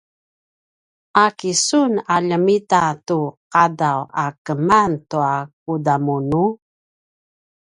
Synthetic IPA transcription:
ʔakisunaʎəmitatuqadawakəmantuak̚udamunu

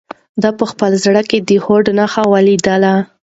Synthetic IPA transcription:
d̪ɑpəxpəlzɽəked̪əhoɖnaxawalid̪əla

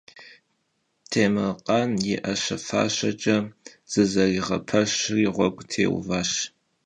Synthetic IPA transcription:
tʰeːmɨqʼɑnjɪʔɐɕɐfa̰ːɕɐt͡ʃʼɐz̥ɨzɐriːʁɐ̰pʰɐɕriːʁʷɔɡʷʼtʰḛːw̰vaːɕ

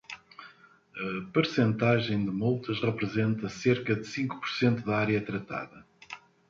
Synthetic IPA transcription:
ɐpɨɾsẽnt̪aʒẽj̃d̪ɨmulˠt̪ɐʃʁɨpɾɨzẽnt̪ɐseɾkɐðɨsĩŋku̥pu̥ɾsẽnt̪uðɐaɾjɐt̪ɾɐt̪a̰ðɐ

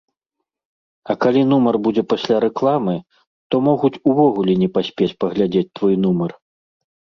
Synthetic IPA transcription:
ɐkalʲinumɐrbud͡zʲɛpasʲlʲaɾɛklˠamɨ | t̪ɔmɔɣut͡sʲuvɔɣulʲɛnʲɛpasʲpʲet͡sʲpɐɣlʲad͡zʲet͡s̚ʲt̪vɔjnumɐr

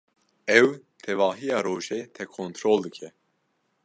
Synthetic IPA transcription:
ɛw | t̪ʰɛvɑːɦijɑːɾoːʒeːt̪ʰɛkʰoːnt̪ʰɾoːld̪ɨkʰɛ

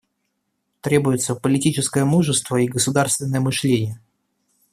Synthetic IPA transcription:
t̪ɾʲe̞bʊjɪt̪səpəlʲɪtʲit͡ɕɪskəjəmuʐɨst̪vəiɡəsʊd̪arst̪vʲɪnːəjəmɨʂlʲenʲɪjə

